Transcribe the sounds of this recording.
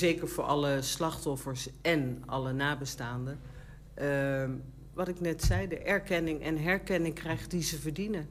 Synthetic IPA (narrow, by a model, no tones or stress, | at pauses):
zejkəɹvʊːɹʔɑləslɑχtɔfəɹsɛnɑ̰lənaːbəstaːndə | ʋɑtɪknɛtsɛjdəʔɛɹkɛnɪŋʔɛ̰nɦɛɹkɛnɪŋkrɛjχtdizəvəɹdinə